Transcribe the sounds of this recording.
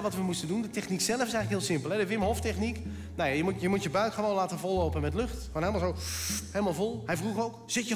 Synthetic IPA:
ʋɔtʋəmustəndundətɛxniksɛləfɪsɛ̃jŋləkɦɪːlˠsɪmpəlˠɦɛdəʋɪməɦoftɛxnik | najajəmutjəmutjəbœɥkχəʋonlaːtəvɔlˠːowpənmɛtløxtχonhɪlmalˠzowhelˠmalˠvolˠhɛjvruxowkz̥ɪtjə

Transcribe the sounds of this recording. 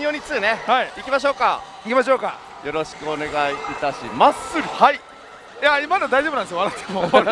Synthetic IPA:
jo̞ːɲ̟it͡sɨːne̞haiikʲimaɕ̬o̞ːka | ikʲimaɕ̬o̞ːka̰ | jo̞ɾo̞ɕi̥kɯ̟one̞ɡaiːt̪aɕimasɨɾʲihai | jaimad̪emod̪aiʑo̞bɯnãnsjoaɾat̪ʰːemo

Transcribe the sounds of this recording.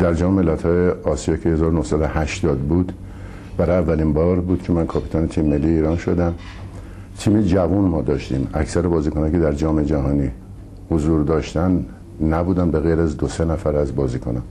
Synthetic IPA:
d̪æɾd͡ʒɒːmeme̞lːæt̪hɒːjeɒːsijɒːcʰehezɒːɾonohsæd̪ohæʃt̪ɒːd̪buːd̪ | b̥æɾɒjævːælinbɒːɾbuːd̪̥cʰemænkʰɒːpʰi̥ːt̪ʰɒːnet̪ʰimːe̞lːiːeiːɾɒːnʃo̞d̪æm | t̪ʰiːmed͡ʒævunmɒːd̪ɒːʃt̪ḭːmæ̰cʰsæɾebɒːziːkʰonɑcʰed̪æɾd͡ʒɒːmed͡ʒæɦɒːniː | hozuːɾd̪ɒːʃt̪æn | næbuːd̪æmbe̞ɣejɾæzd̪osenæfæɾæzbɒːziːkʰonɑn

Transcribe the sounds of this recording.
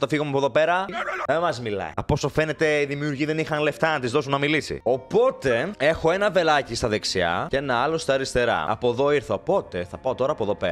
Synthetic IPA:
t̪ɐfiɣomuɐpoðo̞pe̞ɾɐemɐzmilɐ̰ḭɐpo̞sofe̞ne̞t̪e̞iðimiuɾʝiðe̞nixɐnleft̪ɐnɐt̪izðo̞sunɐmilisḭo̞po̞t̪e̞e̞xo̞e̞nɐve̞lɐcist̪ɐðeksiɐ̰ce̞nɐɐlo̞st̪ɐːɾist̪e̞ɾɐ̰ɐ̰poðo̞iɾθɐopo̞t̪e̞θɐpɐot̪o̞ɾɐːpoðo̞pḛɾɐ

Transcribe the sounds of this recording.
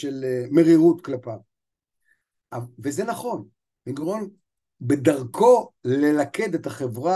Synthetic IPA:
ʃelme̞ʁiʁut̪klapa | avezenaχo̞n | iɡʁon | bed̪aʁkʰo̞le̞lake̞d̪et̪aχevʁa

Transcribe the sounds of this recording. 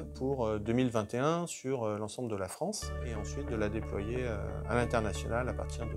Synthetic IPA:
pʰuʁd̪ømilvɛ̃t̪eɛ̃syʁølɑ̃sɑ̃bləd̪əlafχɑ̃seɑ̃sɥit̪̚d̪əlad̪eplwajeø̰a̰lɛ̃t̪ɛʁnasjɔnalapa̰ʁt̪iʁd̪ə

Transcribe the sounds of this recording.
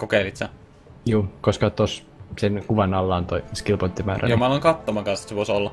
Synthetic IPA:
kokeilit̪sæ | juːkoskɑt̪os | senkuʋɑnɑlːɑːnt̪oiskilpont̪ːimæːɾʔæ̰jomɑlɑŋkɑt̪ːomɑŋkɑnst̪seʋosolːɑ

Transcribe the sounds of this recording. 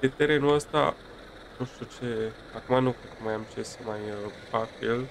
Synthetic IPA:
d̪et̪eɾenuəst̪a̰ | nũʃt̪ut͡ʃe | akumanukɾet̪̚kəmajamt͡ʃesəmajəpafil

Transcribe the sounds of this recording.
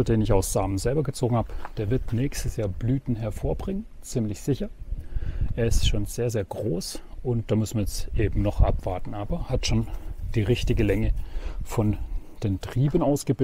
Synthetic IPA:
ɐdeːnɪçaʊsz̥aːmənzɛlbɐɡət͡soːɡŋ̩haːbəd̥eːɐvɪɐtnɛːçstəsjaːɐblyːtn̩ɦɛɐfoːɐbʁɪŋən | t͡siːmlɪçz̥ɪçɐ | ʔeːɐɪstʃoːnz̥eːɐzeːɐɡʁoːsʔʊnt̚d̥aːmʏsn̩viɐɛt͡sʔeːbm̩nɔχʔa̰pv̥aɐtn̩ʔaːbɐhatʃoːnd̥iːʁɪçtɪɡəlɛŋəfɔnd̥eːntʁ̥iːbənaʊsɡ̥əbɪ

